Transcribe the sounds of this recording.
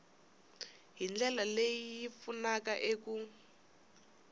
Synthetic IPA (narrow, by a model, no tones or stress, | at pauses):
ɦind͡ɮɛlalejijifunakaʔeku